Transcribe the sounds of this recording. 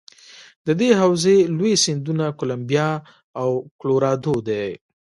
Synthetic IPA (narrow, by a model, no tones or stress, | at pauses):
d̪əd̪eɦawzelojesɪnd̪unakʊlambijɑ | awkloɾɑd̪od̪e